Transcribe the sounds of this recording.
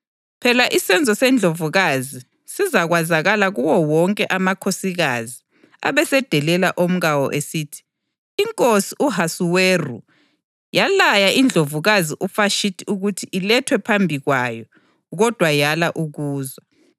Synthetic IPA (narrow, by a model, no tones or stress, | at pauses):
pʰɛlaʔisɛnd͡zʱɔsɛnd͡ɮʱovuɣazi | sizaɣwazaɣalaɣuwɔwɔŋkʼɛʔamakʰosiɣazi | a̰βɛsɛd̥ʱɛlɛlaʔom̩ɣawɔ̰ʔesiːtʰi̥ː | ŋkʼosiuɦasuweru | jalajaʔind͡ɮʱovuɣaziʔufaʃitʰiuɣutʰiʔilɛtʰwɛpʰambʱiɣwajɔ | ɣɔd̥ʱwajalaʔuɣuːza